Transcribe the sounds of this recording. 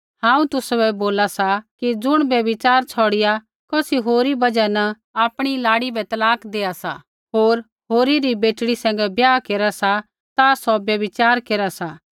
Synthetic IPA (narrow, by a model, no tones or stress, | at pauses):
hãːũt̪ʊsbɛboːlasakid͡zʊɽ̃bjɐbɪt͡ʃaːɾt͡sʰɔːɽɪja | kɔːsiɦoːɾibɐd͡ʒɛnɐ | aːpɽ̃ilaːɽibɛt̪ɐlaːkd̪eːasa̰ | ɦoːɾ | ɦoːɾiɾibeːʈɽisɛ̃ːŋɡɛbjaːkeːɾasa | t̪asɔbjɐbɪt͡ʃaːɾkeːɾasaː